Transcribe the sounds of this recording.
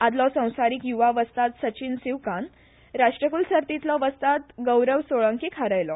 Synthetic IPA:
ad̪lɔsə̃w̃saɾikjuʋaʋəst̪at̪sət͡ɕinsiʋkan | ɾaʂʈɾəkulsəɾt̪it̪lɔʋəst̪at̪ɡəwɾəʋsoɭə̃ŋkikʰaɾəjlɔ

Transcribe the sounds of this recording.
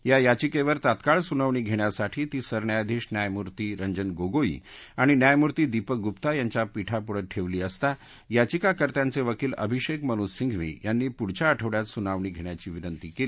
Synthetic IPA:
jajat͡ɕikeʋəɾt̪at̪kaɭsunaʋɳiːɡʱeɽ̃jasaʈʰiːt̪iːsəɾɳjajd̪ʱiɕnjajmuɾt̪iːɾəɲd͡ʑənɡoɡoḭaɽ̃injajmuɾt̪iːd̪ipək̚ɡupt̪ajaɲt͡ɕjapiʈʰapuɽəʈʰeʋliːəst̪a | jat͡ɕikakəɾt̪jant͡seʋəkiːlə̰bʱiɕekməñussiŋɡʱʋḭːjanːiːpuɽt͡ɕaəʈʰəʋɽjat̪sunaʋɳ̃iːɡʱeɳjat͡ɕiːʋinənt̪ikeliː

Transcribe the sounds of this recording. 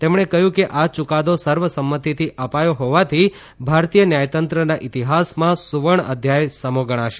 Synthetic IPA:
t̪emɳ̃ekəɦjũkeʔat͡ʃukad̪osəɾʋəsəmːət̪it̪ʰiʔəpajoɦoʋat̪ʰi | bʱaɾt̪ijənjajt̪ənt̪ɾənaʔit̪iɦasmãsuʋəɳ̃əd̪ʱjajsəmoɡəɽ̃aʃe

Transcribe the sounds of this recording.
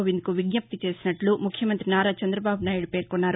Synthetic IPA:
ʋind̪kuʋiɡɲɐp̚t̪it͡ʃe̞ːsinɐʈlumukʰjɐmɐnt̪ɾinaːɾaːt͡ʃɐnd̪ɾɐbaːbunaːjɽupe̞ːɾkunːaːɾ

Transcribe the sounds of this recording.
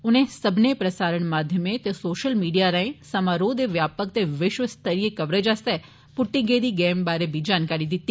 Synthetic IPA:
unesəbʱnepɾəsaɾəɳmad̪ʱjəmet̪esoːʃəlmiːɖijaɾãẽsəmaɾod̪eʋjaːpək̚t̪eʋɪʃʋəst̪ʰəɾijekəʋɾəd͡ʒast̪e | pʊʈːĩɡed̪iɡembaɾebʱid͡ʒaːnkaɾid̪it̪ːi

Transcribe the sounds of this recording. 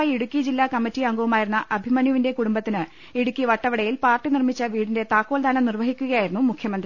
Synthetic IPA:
iɽukʲːid͡ʑilːaːkɐmːitːiɐŋɡɐʋumaːjiɾunːɐʔɐbʱimɐnjuʋinde̞kuɽumbɐt̪ːinɨ | iɽukːiʋɐʈːɐʋɐɽɐjilpaːrʈːinirmit͡ɕːɐʋiːɽinde̞t̪aːkːoːld̪ʱaːnɐmnirʋɐɦikʲːuɣɐjaːjiɾunːumukʰjɐmɐnd̪r

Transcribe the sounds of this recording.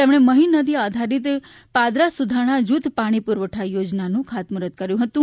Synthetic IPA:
t̪emɽ̃eməɦinəd̪iad̪ʱaɾit̪ | pad̪ɾasud̪ʱaɽ̃ad͡ʒut̪ʰpaɽ̃ipuɾʋəʈʰajod͡ʒnanũkʰat̪muɾət̪̚kəɾjũɦət̪ũ

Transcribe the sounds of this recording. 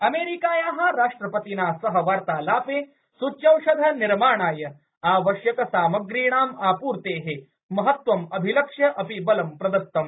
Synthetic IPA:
ɐmeːɾikaːjãːɦaɾaːʂʈɾɐpɐt̪inaːsɐɦɐʋaːɾt̪aːlaːpeː | sut͡ʃːɐwʃɐd̪ʱɐniɾmaːɳaːjɐ | aːʋɐʃjɐkɐsaːmɐɡɾiːɳaːmaːpuːɾt̪eːɦe | mɐɦɐt̪ʋɐmɐbʱilɐkʂjɐʔɐpibɐlɐmpɾɐd̪ɐst̪ːɐm

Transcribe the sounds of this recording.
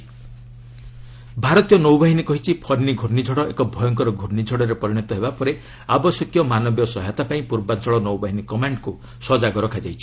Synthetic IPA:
bʱaɾɔt̪ijɔnowbaɦinikɔɦit͡ʃʰipʰɔɾnːiɡʱuɾnid͡ʒʱɔɽɔʔḛkɔbʱɔjɔŋkɔɾɔɡʱuɾnid͡ʒʱɔɽɔɾepɔɾiɽ̃ɔt̪ɔɦebapɔɾe | abɔsjɔkjɔmanɔbjɔsɔɦat̪apaĩpuɾbant͡ʃɔɭɔnowbaɦinikɔmaɳɖku | sɔd͡ʒaɡɔɾɔkʰad͡ʒajt͡ʃʰi̥

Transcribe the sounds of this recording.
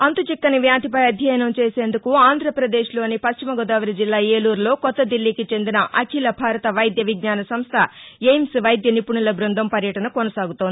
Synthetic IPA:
ɐnt̪ut͡ʃikːɐniʋjaːt̪ipɐjɐd̪ʱjɐjɐnɐmt͡ʃeːse̞ːnd̪ukuaːnd̪ʱɾɐpɾɐd̪eːʃlo̞ːnipɐʃt͡ʃimɐɡɔd̪aːʋɐɾid͡ʒilːaːeːluːɾlo̞ːkɔt̪ːɐd̪ilːikit͡ʃe̞nd̪inɐʔɐkʰilɐbʱaːɾɐt̪ɐʋɐjd̪jɐʋiɡnaːnɐsɐmst̪ʰɐejmsʋɐjd̪jɐnipuɳulɐbɾund̪ʱɐmpɐɾjɐʈɐnɐkonɐsaːɡut̪oni

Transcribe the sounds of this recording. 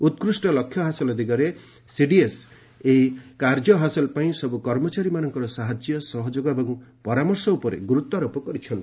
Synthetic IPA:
ut̪̚kɾusʈɔlɔkʰːjɔɦasɔlɔd̪ikɔɾe | siɖies | eikaɾd͡ʒɔɦasɔlɔpaĩsɔbukɔɾmɔt͡ʃaɾimanɔŋkɔɾɔsaɦad͡ʒjɔsɔɦɔd͡ʒoɡɔebɔŋpɔɾamɔɾsɔupɔɾḛɡuɾut̪aɾɔpɔkɔɾit͡ʃʰɔnt̪i

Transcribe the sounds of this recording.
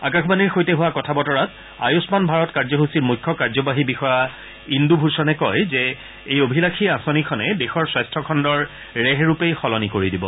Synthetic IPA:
a̰kaxbaniɹxojtɛɦʊwakɔtʰabɔtɔɹat | a̰jʊsmanbʱaɹɔtkaɹzɔɦusiɹmujkʰːɔkaɹzɔbaɦibixɔja | indubʱusɔnɛkɔjzɛ | ejobʱilakʰiasɔnikʰɔnɛdexɔɹswastʰɔkʰɔndɔɹ | ɹɛɦɹupejxɔlɔnikoɹidibɔ̰

